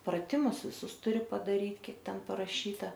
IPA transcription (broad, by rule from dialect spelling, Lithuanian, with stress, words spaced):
prɐˈtʲɪmʊs ʋʲɪˈsʊs tʊˈrʲɪ pɐdɐˈrʲiːt ˈkʲiɛk ˈtʲɛn pɐrɐˈʃʲiːtɐ